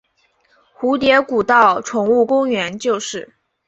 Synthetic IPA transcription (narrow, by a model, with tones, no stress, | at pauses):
xu˧˥t̪jɛ˧˥ku˨˩t̪ɑ˥˩ʊʈ͡ʂʰʊ˨˩ŋu˥˩kʊ˥ŋɥɛ˧˥nt͡ɕjo˥˧ʊʂɻ̩˥˩